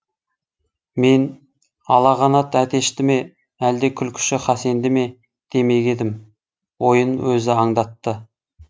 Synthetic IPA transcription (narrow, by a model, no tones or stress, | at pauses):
me̞n | ɑlˠɑʁɑnɑt̪æt̪e̞ʃt̪ɪme̞ | æld̪e̞kʲʰʏlkʲʰʏ̥ʃɪχɑse̞nd̪ɪme̞ | d̪̥e̞me̞ɡʲe̞d̪ɪm | wo̞jənwɵzɪɑɴd̪ɑt̪ːə